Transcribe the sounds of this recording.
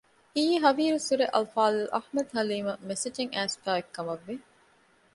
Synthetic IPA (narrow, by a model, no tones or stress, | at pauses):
iːɦɐʋiːɾusuɾeʔɐlfaːlɐlʔɐħmɐd̪hɐliːmɐmesed͡ʒeŋæːst̪aːekːɐmɐʋːe